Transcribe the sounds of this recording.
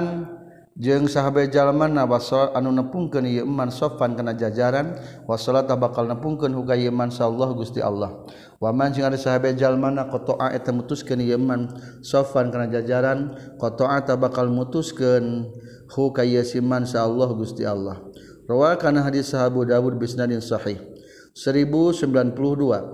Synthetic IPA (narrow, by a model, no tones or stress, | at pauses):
n | d͡ʒɨŋsaɦabad͡ʒalmanawasɔlaanunəpuŋkənijəəmːansɔfankənad͡ʒad͡ʒaɾanwasɔlat̪abakalnəpuŋkənɦukajəmansaːlːɔhɡust̪iʔa̰lːɔh | wamand͡ʒəŋadəsaɦabad͡ʒalmanakɔt̪oʔaʔɛt̪amut̪uskənijəəman | sɔfankərnad͡ʒad͡ʒaɾankɔt̪oat̪abakalmut̪uskən | hukajəsimansaːlːɔhɡust̪ialːɔh | rɔwakanaɦadisaɦabudawud̚bisnadinsɔħih | səɾibusəmbilanpuluhdua